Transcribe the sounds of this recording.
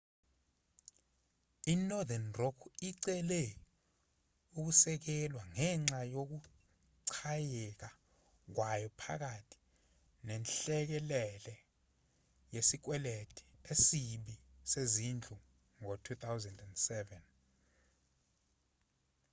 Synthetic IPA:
inɔdanrɔkʰiǀɛlɛ | uk̬usɛk̬ɛlwaŋɛŋ͡ǀajok̬u | ǀʰajɛk̬a | k̬wajɔpʰa̰k̬atʰi̥ | nɛnɬɛk̬ɛlɛlɛ | jesik̬wɛletʰi̥esiɓisezind͡ɮʱu | ŋotʰut̪ʰawzɛndɛndsɛvɛn

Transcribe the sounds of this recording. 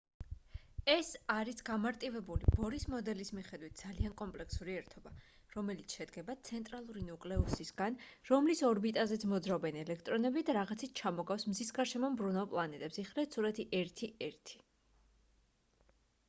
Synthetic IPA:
ɛsaɾisɡamaɾt̪ʼivɛbulibɔɾismɔd̪ɛlismiχɛd̪wit̪̚ʰd̪z̥aliankʼɔmpʼlɛksuɾiɛɾt̪ʰɔba | ɾɔmɛlit̪sʰʃɛd̪ɡɛbat̪sʰɛnt̪ʼɾalˠuɾinukʼlɛusisɡanɾɔmlisɔɾbit̪ʼazɛt̪sʰmɔd̪zɾaɔbɛnɛlɛkʰt̪ʼɾɔnɛbid̪aɾaʁat̪sʰit̪̚ʰt͡ʃʰamɔɡafsmzisɡaɾʃɛmɔmbɾunalˠpʼlˠanɛt̪ʼɛpsiχlɛt̪suɾat̪ʰiʔɛɾt̪ʰiʔɛɾt̪ʰi̥

